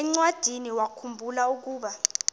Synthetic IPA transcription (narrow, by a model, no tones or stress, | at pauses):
ɛŋ͡ǀwad̥ʱiniwakʰumbʱulauk̬uːɓa